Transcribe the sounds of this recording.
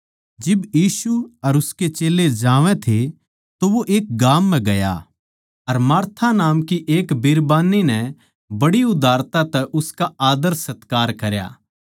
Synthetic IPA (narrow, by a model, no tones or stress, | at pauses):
d͡ʒɪbjiːsuɐɾʊsket͡ʃeːlːed͡ʒaːʋɛ̃t̪ʰe | t̪oʋoʔeːk̚ɡaːmːɛ̃ɡɐja̰ | ɐɾmaːɾt̪ʰanaːmkiʔeːkbɪɾbaːninɛ | bɐɽiʊd̪ʱaːɾt̪at̪ɛʔʊskaaːd̪əɾsɐt̪kaːɾkɐɾja̰ː